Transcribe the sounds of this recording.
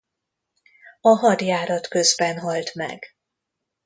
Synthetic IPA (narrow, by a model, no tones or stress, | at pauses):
ɒɦɒd̪jaːɾɒt̪kø̞zbɛnɦɒlt̪mɛ̰ɡ